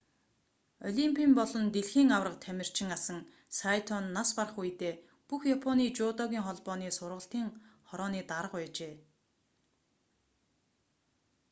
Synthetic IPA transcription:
ɔ̰ɮʲimpʰiːmpɔɮɞ̆nt̪eɮxiːŋawrə̆qt̪ʰæmʲɪ̆r̥t͡ɕʰɪ̆ŋasə̆ŋ | sajt̪ʰɔnːasparə̆χujt̪eː | puxjapʰɔniːt͡ɕʊːt̪ɔɣʲiːŋχɔɮpɔːniːsʊrʁə̆ɬt̪iːŋχɔɾɔːniːt̪aɾə̆qæːt͡ɕeː

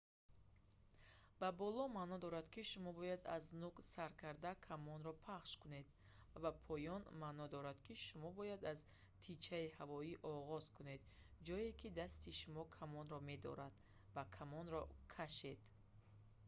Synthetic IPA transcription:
b̥abɔlɔmanɔd̪ɔɾad̪kiʃumɔbɔjad̪a̰znuksaɾkʰaɾd̪akʰamɔnɾɔpʰaχʃkune̞d̪ | vapʰɔjɔnmanɔd̪ɔɾad̪̥kʰiʃumɔbɔjad̪az | t̪ʰit͡ʃʰaihavɔiʔɔʁɔz̥kune̞d̪ | d͡ʒɔjekʰid̪ast̪iʃumɔkʰamɔnɾɔme̞d̪ɔ̰ɾad̪ | vakʰamɔnɾɔkʰaʃe̞d̪̥

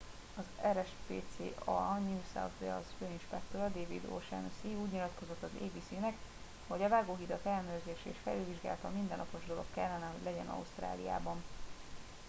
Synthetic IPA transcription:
ɒzɛɾɛʃpḛːt̪sḛːʔɒnuːsa̰wt̪vɛ̰ɒ̰sføːinʃpɛk̚t̪oɾɒd̪eːvḭd̪o̰ʃɛ̰ːnosiuːɟɲilɒt̪ko̞zo̞t̪ːɒzḛːbiːsyːnɛk | ho̞ɟɒvaːɡoːɦid̪ɒkɛlːɛnøːrzeːʃɛeːʃfɛlylviʒɡaːlt̪ɒ̰mind̪ɛnːɒ̰po̞ʒd̪o̞lo̞kkɛlːɛnɛɦo̞ɟlɛɟɛnɒ̰ust̪ra̰ːlija̰ːbɒn

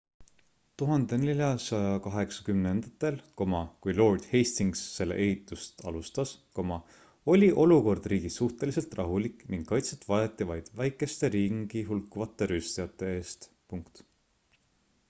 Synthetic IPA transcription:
t̪uɦɑnd̪e̞nelʲjɑsɑjɑkɑɦe̞ksɑ̥kymnend̪̥ɑt̪ːˑe̞lko̞mɑkujlo̞ːrd̪̥hejst̪iŋɡsːe̞lːḛʔe̞hit̪ːˑust̪ɑ̰lust̪ɑsko̞mɑ | o̞lʲiʔo̞luko̞rd̪̥riːɡisuht̪e̞lise̞lt̪rɑɦulikniŋɡ̥kːɑjt̪set̪vɑjɑt̪ːˑivɑjd̪̥væjkːˑe̞st̪e̞ɾiːɡŋɡiɦulkːˑuvɑt̪ˑːe̞ɾyst̪ijɑt̪ːˑe̞e̞ːst̪ | puŋkt̪

